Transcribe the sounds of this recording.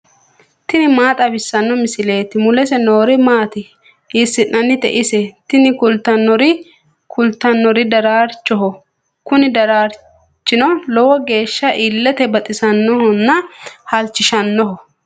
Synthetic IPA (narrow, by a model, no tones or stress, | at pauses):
t̪ɪnɪmaːt̪ʼɐbɪsːɐnːɔmɪsɪle̞ːt̪ɪmʊlɛsɛno̞ːɾɪmaːt̪ɪ | ʔɪsːɪʔnɐnːɪt̪ɛ̰ʔɪsɛt̪ɪnɪkʊlt̪ːɐnːɔɾɪ | kʰʊlt̪ːɐnːɔɾɪd̪ɐɾaːɾt͡ʃːɔɦɔ | kʊnɪd̪ɐɾaːɾ | t͡ʃːɪnɔlɔwɔɡe̞ːʃːɐʔɪlːɛt̪ɛbɐt̪ʼɪsɐnːɔhɔnːɐhɐlt͡ʃːɪʃɐnːɔɦɔ